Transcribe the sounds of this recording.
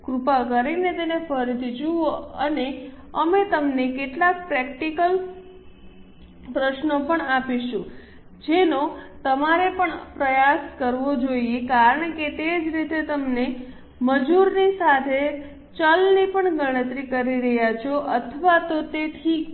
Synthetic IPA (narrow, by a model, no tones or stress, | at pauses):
kɾupakəɾinet̪enefʰəɾit̪ʰid͡ʒuoəneəmet̪əmnekeʈlak̚pɾɛk̚ʈikəl | pɾəʃnopəɳapiʃũ | d͡ʒenot̪əmaɾepəɳpɾəjaskəɾʋod͡ʒoiekaɾəɳ̃ket̪ed͡ʒɾit̪et̪əmne | məd͡ʒuɾnisat̪ʰe | t͡ʃəlnipəɳɡəɽ̃ə̃t̪ɾikəɾiɾəɦjat͡ʃʰoʔət̪ʰəʋat̪ot̪et̪ʰi